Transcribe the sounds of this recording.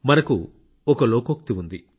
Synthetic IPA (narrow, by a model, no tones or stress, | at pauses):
mɐnɐkṵ | ɔkɐloːkok̚t̪iʋund̪i